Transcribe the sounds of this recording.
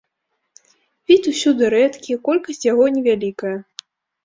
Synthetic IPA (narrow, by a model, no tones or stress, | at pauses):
vʲit̪ʲusʲud̪ɨɾɛt̪kʲikɔlʲkɐsʲt͡sʲjaɣɔnʲɛvʲalʲikɐjɐ